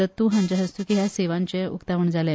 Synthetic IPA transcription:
ət̪ːũɦãɲt͡ɕaɦəst̪uːkiɦjaseʋãɲt͡ɕeṵkt̪aʋəɳd͡zalja

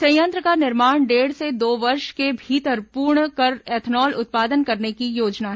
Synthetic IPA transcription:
sɐ̃jə̃nt̪ɾəkanɪɾmaːɽ̃ɖeːɽsed̪oːʋɐɾʃkebʱiːt̪əɾpuːɾɳkɐɾɛːt̪ʰnɔːlʊ̰t̪̚paːd̪ənkɐɾnekijoːd͡ʒnaɦ

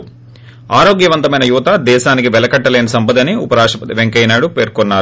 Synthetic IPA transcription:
aːɾo̞ːɡjɐʋɐnt̪ɐmɐjnɐjuʋɐt̪ad̪ɛːʃaːnikiʋɛlɐkɐʈːɐleːnɐsɐmbɐd̪ɐniṵpɐɾaːʂʈɾɐpɐt̪iʋeŋkɐjnaːɽupeːɾkonːaːɾ

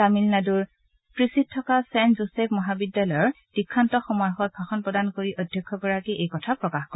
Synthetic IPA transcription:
tamilnaduɹ | pɹisit̚tʰːɔkasɛnzosɛpʰmɔɦabidjalɔjɔɹ | d̥ikʰːantɔxɔmɔjxɔt̚bʱaxɔnpɹɔdankoɹiʔɔdʱjɔkʰːɔɡɔɹakiʔejkɔtʰapɹɔkaxkɔɹ

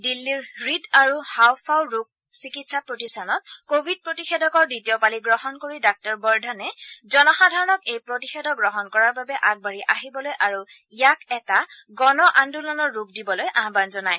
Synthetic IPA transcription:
dilːiɹɹidaɹuhawpʰawɹuk̚ | sikitsapɹotistanɔt̚kobʱid̚pɹotixedɔkɔɹditijɔpaliɡɹɔɦɔnkoɹidak̚tɔɹbɔɹdʱanɛzɔnɔxadʱaɹɔnɔkejpɹotixedʱɔɡɹɔɦɔnkɔɹaɹbabɛʔaɡ̚baɹiʔaɦibɔlojʔaɹuijakɛtaɡɔnɔʔandulɔnɔɹːukdibɔlojʔaɦbanzɔnaj

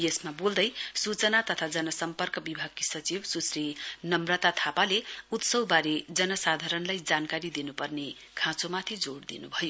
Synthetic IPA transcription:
jesmabold̪ʌjsut͡sʌnat̪ʌt̪ʰad͡zʌnʌsʌmpʌrkʌbibʱaɡ̚kisʌt͡sibsusrinʌmrʌt̪at̪ʰapaleut̪sʌwbaɾed͡zʌnʌsad̪ʱaɾʌnlajd͡zankaɾid̪inupʌrne | kʰãt͡somat̪ʰid͡zoɽd̪inṵbʱʌjo

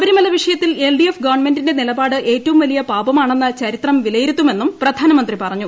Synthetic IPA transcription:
ʋɐɾumɐlɐʋiʂɐjɐt̪ːile̞lɖijefɡɐʋɐrɳme̞ndinde̞nilɐbaːɽɨʔe̞ːtːɐʋumʋɐlijɐpaːbɐmaːɳe̞nːɐt͡ɕɐɾit̪rɐmʋilɐjiɾut̪ːume̞nːumprɐd̪ʱaːnɐmɐnd̪ripɐrɐɲːu

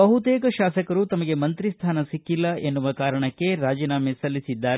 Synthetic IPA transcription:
ɐɦut̪eːkɐʃaːsɐkɐɾut̪ɐmɐɡe̞mɐnt̪ɾist̪ʰaːnɐsikːilːɐʔenːuʋɐkaːɾɐɳɐkːe̞ɾaːd͡ʒiːnaːmesɐlːisid̪ːaːɾ

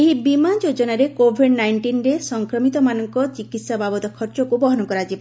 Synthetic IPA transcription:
eɦibimand͡ʒod͡ʒɔnaɾekobʱiɖnajɳʈinɾesɔŋkɾɔmit̪ɔmanɔŋkɔt͡ʃikit̪sababɔt̪ɔkʰɔɾt͡ʃɔkubɔɦɔnɔkɔɾad͡ʒiba

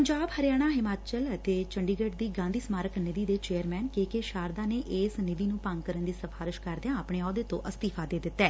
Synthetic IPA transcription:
pəɲd͡ʒaːbhəɾɪjaːɽ̃aːɦɪmaːt͡ʃələt̪eːt͡ʃəɳɖiːɡəʈd̪iːɡãːnd̪iːsmaːɾəknɪd̪iːd̪eːt͡ʃeːəɾmɛːnkeːkeːʃaːɾd̪aːneːʔeːsnɪd̪iːnũːpəŋɡkəɾənd̪iːsəfʰaːɾɪʃkəɾd̪ejãːəpɳ̃eːɔːd̪eːt̪õ̰ʔəst̪iːfʰaːd̪eːd̪ɪt̪ːɛː

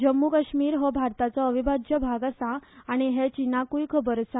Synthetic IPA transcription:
d͡ʑəmːukəɕmiːɾɦɔbʱaɾt̪at͡sɔəʋibʱadjəbʱaɡasãːɽ̃iɦet͡ɕinakujkʰəbəɾsã

